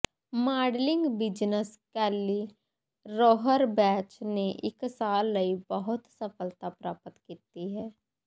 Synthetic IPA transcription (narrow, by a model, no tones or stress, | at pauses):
maːɖlɪ̃ŋɡbɪd͡ʒnəskɛːli | ɾoːɦəɾbɛːt͡ʃneʔɪksaːlːəibəɦʊt̪səfəlt̪apɾaːpət̪kiːt̪iɦɛː